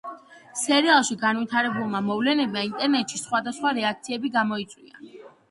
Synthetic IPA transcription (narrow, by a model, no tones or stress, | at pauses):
sɛɾialˠʃiɡanvit̪ʰaɾɛbulˠmamɔvlɛnɛb̚maint̪ʼɛɾnɛt̪ʃisχwad̪asχwaɾɛak̚ʰt̪sʰiɛbiɡamɔit̪sʼwḭa̰